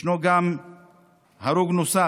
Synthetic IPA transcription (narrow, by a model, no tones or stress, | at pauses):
noɡaːm | ɦɐɾoɡnʊsa